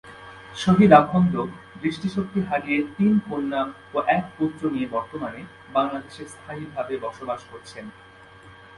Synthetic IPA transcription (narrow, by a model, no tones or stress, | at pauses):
ʃoɦid̪abʰʱɔnd̪o | b̪ɾiʃʈiʃok̚t̪iɦaɾiet̪inponːam | oʔɛk̚put̪ːɾoniebɔɾt̪omane | baŋlad̪eʃeɾst̪ʰaɦibʱabebɔɾʃobaʃkoɾt͡ɕʰen